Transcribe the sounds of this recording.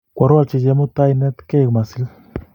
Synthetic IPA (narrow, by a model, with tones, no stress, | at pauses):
kʷa˨˧ɾwa˧lt͡ʃi˧d͡ʒe˧mu˦t̪a˦jne˦t̪ke˦˨ɡma˨si˧˦l